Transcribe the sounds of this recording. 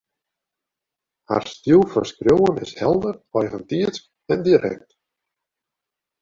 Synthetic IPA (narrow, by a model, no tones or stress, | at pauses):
ha̰ɾ̥st̪juwfa̰nskɾjoːwənɪ̰shɛlˠd̪əɾɔjhant̪iːt̪sk | ɛnd̪iɾɛ̰k̚t̪